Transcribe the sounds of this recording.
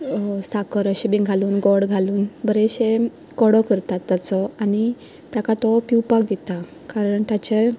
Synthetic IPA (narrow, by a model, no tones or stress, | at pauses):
sakəɾəɕebiŋɡʱaluːnɡɔɽɡʱaluːnbəɾeɕe | kɔɽɔkəɾt̪at̪ːat͡sɔani | t̪jakat̪ɔpiwpakd̪it̪a | kaɾəɳt̪at͡ɕe